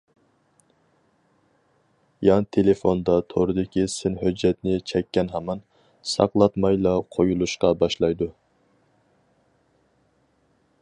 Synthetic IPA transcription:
jɑŋt̪ʰelefond̪ɑt̪ʰoɾɨd̪ɪkʲisɪnɦød͡ʒːɛt̪nɪt͡ʃʰɛkʲːɛnɦɑmɑn | sɑ̰qlˠɑt̪mɑjlˠɑqʰojulˠuʃqɑbɑʃlˠɑjd̪u

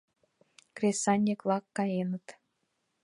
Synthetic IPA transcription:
krʲesɑnʲːeklˠɑkːɑjenət̪

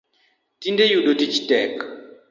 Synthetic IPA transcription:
tindɛjuɗɔtit͡ʃi̥tɛka

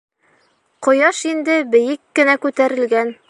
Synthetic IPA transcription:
qŏjɑʃind̪ɘbɘ̆jɘkːɘ̆nækʉt̪æɾɘ̆lɡæn

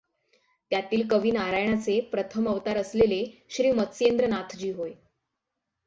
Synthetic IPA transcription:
t̪jat̪iːlkəʋiːnaɾajɳ̃at͡sepɾət̪ʰəməʋt̪aɾəsleleɕɾiːmət̪sjend̪ɾənat̪ʰd͡ʑiːɦoj

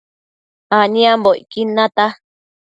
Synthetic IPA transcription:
anĩãmboikinãt̪a

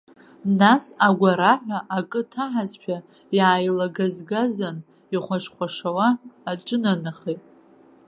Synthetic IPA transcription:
nasaɡʷaɾaħʷᶣaʔakʼɨtʰaħazpʷʰa | jaːjlaɡazɡazan | iχʷaʂχʷaʂawaːʈ͡ʂʷʼɨnanaχetʼ

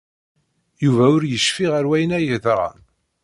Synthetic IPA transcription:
juvæʊɾjəʃfiʁəɾwæjnæjəðɾˤɑ̰n

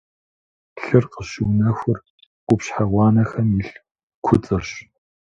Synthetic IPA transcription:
ɬɨrqəɕɪwnɐxʷʊr | qʷʊpɕħaʁʷɑːnɐxɐmjɪɬ | kʷʰʊt͡sʼɨrɕ

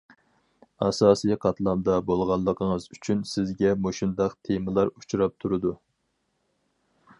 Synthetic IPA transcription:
ɑsɑːsijqʰɑt̪lˠɑmd̪ɑbolˠʁɑnlˠːəqʰəŋəzyt͡ʃʰynsɪzɡʲɛmoʃund̪ɑqt̪ʰemɨlˠɑɾut͡ʃʰuɾɑp̚t̪ʰuɾɨd̪u

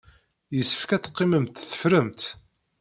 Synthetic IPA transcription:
jəsːə̥fkæt͡sːə̥qːiməmt̪θə̥fɾəmt̪

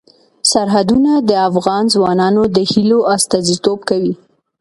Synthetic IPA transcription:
saɾɦad̪unad̪əafɣɑnzwɑnɑnod̪əhiloast̪ɑzit̪ob̚kawi

